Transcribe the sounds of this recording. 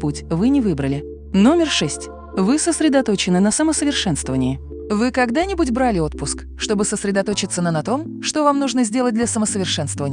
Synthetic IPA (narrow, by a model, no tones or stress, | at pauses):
putʲvɨnʲɪvɨbɾəlʲɪ | no̞mʲɪrʂɛsʲtʲ | vɨsəsɾʲɪd̪ɐt̪o̞t͡ɕɪnɨnəsəməsəvʲɪrʂɛnst̪vəvənʲɪjə | vɨkɐɡd̪anʲɪbutʲbɾalʲɪo̞t̪̚pʊsk | ʂt̪o̞bɨsəsɾʲɪd̪ɐt̪o̞t͡ɕɪt̪sːənənɐt̪o̞m | ʂt̪o̞vamnuʐnəzʲdʲe̞lˠət̚dlʲɐsəməsəvʲɪrʂɛnst̪vəvənʲɪj